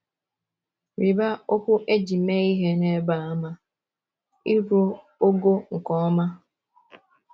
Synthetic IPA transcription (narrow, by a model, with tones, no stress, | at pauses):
ɾi˨ba˦o˦kʷʊ˦ʔe˦d͡ʒi˨me˦i˦ɦe˦ne˦ba˨a˦ma˦ | i˦ɾo˦ | o˦ɡo˦ŋ̩˨kɔ˨˦ma˦